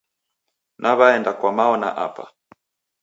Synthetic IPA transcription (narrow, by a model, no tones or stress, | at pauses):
nʔaβaɛndakwamaɔna̰ʔa̰pa̰